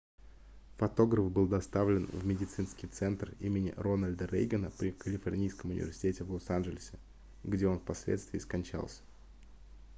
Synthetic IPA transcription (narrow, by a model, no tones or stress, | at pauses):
fɐt̪o̞ɡɾəfbɨlˠd̪ɐst̪avlʲɪnvmʲɪdʲɪt̪sɨnskʲɪjt̪sɛnt̪rimʲɪnʲɪ̰ɾo̞nəlʲd̪əɾḛjɡʲənəpɾʲɪkəlʲɪfɐrnʲijskəmʊnʲɪ̰vʲɪ̰rsʲɪ̥tʲetʲɪvlˠosanʐɪlʲɪsʲɪ | ɡdʲeo̞nfpɐsʲlʲḛt̪st̪vʲɪːskɐnʲt͡ɕa̰lˠsʲə̥